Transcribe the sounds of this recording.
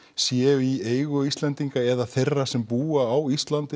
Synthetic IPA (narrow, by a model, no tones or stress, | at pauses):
sjɛːvieːjɣʏist̪lɛnt̪iŋkaɛðaθejrːasɛmpuːaːwist̪lant̪ɪ